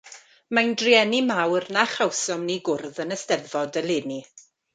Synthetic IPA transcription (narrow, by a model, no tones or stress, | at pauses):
mandriɛnimawrnaχawsɔmniɡʊrðənəstɛðvɔdəlˠɪːni